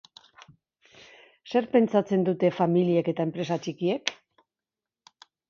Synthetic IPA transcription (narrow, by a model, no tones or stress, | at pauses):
se̞ɾpe̞nt͡sat͡se̞nd̪ut̪e̞familieke̞t̪aempɾe̞sat͡ʃikie̞k